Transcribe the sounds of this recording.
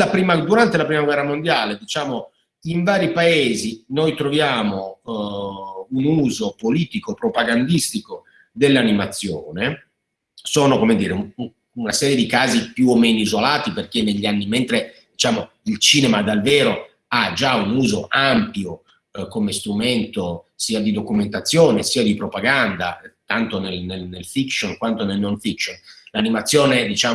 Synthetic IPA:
apɾiːmad̪uɾant̪elapɾiːmaɡwɛrːamond̪jaːled̪it͡ʃaːmo | iɱvaːɾipaeːzinojt̪ɾovjaːmo | unuːzopoliːt̪ikopɾopaɡand̪ist̪iko | d̪elːanimat̪sːjoːne | soːnokomed̪iːɾeu | unasɛːɾjed̪ikaːzipjuomːeːnoizolaːt̪iperk̟enːeʎːianːiment̪ɾed̪it͡ʃaːmo | ilt͡ʃiːnemad̪alveːɾo | ad͡ʒaunuːzoʔampjo | komest̪ɾument̪osiːad̪id̪okument̪at̪sːjoːnesiːad̪ipɾopaɡand̪a̰t̪ant̪onelnelnelfikʃonkwant̪onelnonfikʃonlanimat̪sːjoːned̪it͡ʃaː

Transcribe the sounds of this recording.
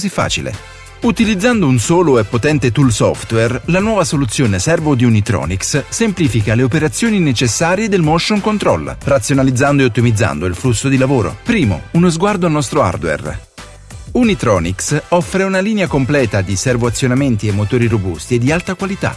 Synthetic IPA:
zifːa̰ːt͡ʃilḛ | ut̪ilid̪zːand̪ounsoːloɛpːot̪ɛnt̪et̪ulsɔ̰ft̪wɛrlanwɔːvasolut̪sːjoːnesɛrvod̪iunit̪ɾɔ̰ːnikssempliːfikaleopeɾat̪sːjoːninet͡ʃesːaːɾjed̪elmɔʃːoŋkont̪ɾɔ̰lrat̪sjonalid̪zːand̪oeot̪ːimid̪zːa̰nd̪oilflusːod̪ilavoːɾo̰pɾiːmo̰unozɡward̪oalnɔst̪ɾoa̰rd̪wɛ̰r | unit̪ɾɔːniksɔfːɾeunaliːneakomplɛːt̪ad̪isɛrvoat̪sːjonament̪iemːot̪oːɾiɾobust̪ied̪ːialt̪akwalit̪a̰

